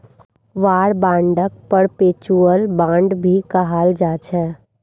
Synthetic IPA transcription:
ʋaːɽbãːɳɖək̚pəɾpeːt͡ʃuːəlbãːɳɖbʱikaɦaːld͡ʒaːt͡ʃʰɛː

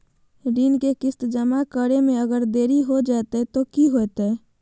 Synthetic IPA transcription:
ɾiːnkekɪst̪d͡ʒəmakəɾemẽəɡəɾd̪eːɾiɦod͡ʒat̪et̪okiɦoɛt̪e

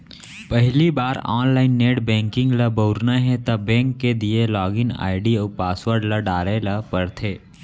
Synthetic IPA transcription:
pəɦlibaːɾɔ̰ːnlaːɪnːeːɽbɛ̃ːŋkɪ̃ŋɡlɐboʊɾnaɦɛ̃t̪ɐbɛ̃ːŋkːed̪ielɔːɡɪna̰ːɪɖiəːpaːswəɾɖlaɖaːɾelapəɾt̪ʰeː

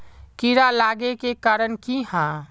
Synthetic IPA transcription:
kiɾalaːɡekekaːɾənkihã

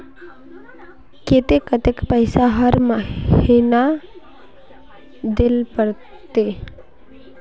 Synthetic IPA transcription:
ket̪ekət̪ekpəɪsaɦəɾməhina | d̪ɪlpəɽ | t̪e

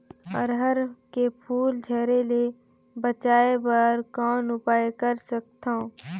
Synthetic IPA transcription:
ɔ̰ɾɦəɾkepʰuːld͡ʒʱɛːɾele | bət͡ʃaːebəɾkɔːnʊpaːekəɾsək̚t̪ã

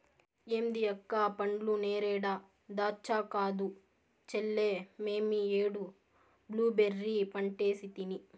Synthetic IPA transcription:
eːmd̪iɐkːaːpɐɳɖluneːɾɛːɽa | d̪aːt͡ʃːaːkaːd̪u | t͡ʃɛlːeːmeːmieːɽu | bluːbeɾːipɐɳʈeːsit̪ini

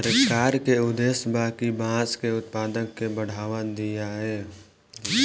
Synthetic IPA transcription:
əɾəkaːɾkeʊd̪eːsbaːkibãːskeʊt̪paːd̪əkːebəɽ̤aːʋad̪ijaɦɛː

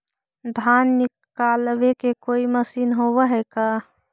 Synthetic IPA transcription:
d̪ʱaːnːɪkkaːlwekekoːiməsiːnɦowəɦɛka

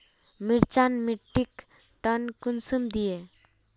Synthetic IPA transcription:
miɾt͡ʃanmiʈːik | ʈənkunsumd̪ije

